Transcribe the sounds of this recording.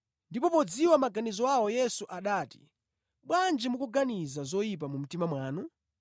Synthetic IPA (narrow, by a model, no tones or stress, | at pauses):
ndipɔpɔd͡ziwamaɡanizɔawɔjɛsuʔaɗaːti̥̰ | ɓwand͡ʒimukuɡanizazɔjip̬amum̩timamwaːnu